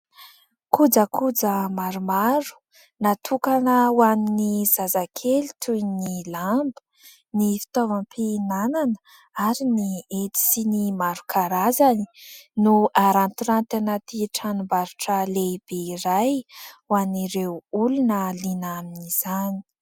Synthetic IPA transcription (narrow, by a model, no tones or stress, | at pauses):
kud͡zəkʰud͡zəmaɾumaɾu̥ | nat̪ʰukanəwaminiz̥azakʰelit̪ʰujnilambə̥ | nifi̥t̪ɔvampʰinananə | aɾiniet̪i̥sinimaɾukʰaɾazani̥nuʔaɾant̪iɾant̪enat̪iʈ͡ʂanumbaɾuʈ͡ʂəleib̥eiɾajwaniɾewulunəlinaminiz̥ani̥